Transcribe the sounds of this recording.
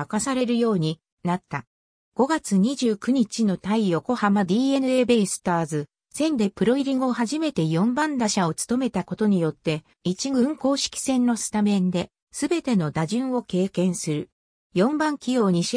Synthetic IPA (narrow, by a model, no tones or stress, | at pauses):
akasaɾe̞ɾɯ̟jo̞ːɲ̟i | nat̪ːa | ɡ̥o̞ɡat͡sɨɲ̟iʑɨːkɯ̟ɲ̟it͡ɕino̞t̪aijo̞ko̞hamad̪ʲiːe̞nɯ̟e̞ːbe̞isɨ̥t̪aːzɨ | sẽ̞nd̪e̞pɯ̟ɾo̞iɾʲiŋɡoɦaʑime̞t̪e̞jõ̞mbãnd̪aɕao̞t͡sɨ̥t̪o̞me̞t̪ako̞t̪o̞ɲ̟ijo̞t̪ːe̞ | it͡ɕiɡɯ̟̃ŋko̞ːɕi̥kʲi̥sẽ̞nːo̞sɨ̥t̪amẽ̞nd̪e̞ | sɨbe̞t̪e̞no̞d̪aʑɨ̃ɰ̃o̞ke̞ːkẽ̞ɰ̃sɨɾɯ̟ | jõ̞mbãŋkʲijo̞ːɲ̟iɕ